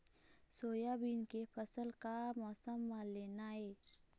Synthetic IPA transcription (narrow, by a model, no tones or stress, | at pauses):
soːjabinkepʰɐsəlkamɔːsəmːaleːnaɦɛː